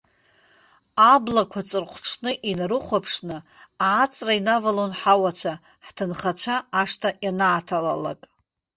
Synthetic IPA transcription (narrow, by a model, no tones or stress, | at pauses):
ablakʷʰat͡sʼɨrχʷʈ͡ʂʰnɨʔinrɨχʷapʰʂnɨaʕat͡sʼrainavalonħawat͡ɕʷʰa | ħtʰɨnχat͡ɕʷʰaaʂtʰaʔjanaʕatʰala̰la̰kʼ